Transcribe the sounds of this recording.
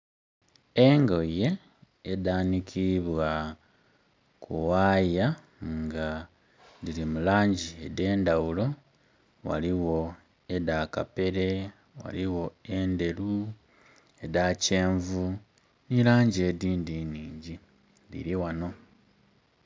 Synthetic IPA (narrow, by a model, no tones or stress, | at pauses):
eŋɡoje̞ː | daːnikʰiβwa | kʰuwaja | ŋɡa | ðilimulaːɲɟiede̞ːndawulo̞ | wa̰liwo̞ | edakape̞ɾe̞ | wa̰liwo̞e̞nde̞lu | edace̞ːɱvu | nilaːɲɟie̞diːndiniːɲɟi | lḭɾiwano̞